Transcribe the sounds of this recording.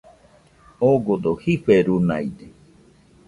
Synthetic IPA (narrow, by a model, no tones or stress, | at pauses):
oɡod̪ohiɸeɾuna̰id̪e